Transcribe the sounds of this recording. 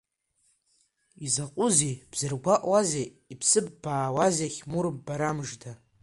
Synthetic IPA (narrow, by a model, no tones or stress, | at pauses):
izaqʼʊzib̥z̥ɨrɡʷaʔʼwaze | ipʰsɨbːaːwazaχʲmurbːaɾamʐda